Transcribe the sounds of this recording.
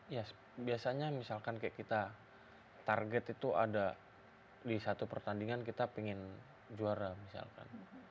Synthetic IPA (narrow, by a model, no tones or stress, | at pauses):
ja | biasaɲamisalkankajaʔkit̪a | t̪arɡɛt̪it̪uʔa̰da | disat̪upərt̪andiŋankit̪apiŋɪn | d͡ʒuaɾamisa̰lka̰n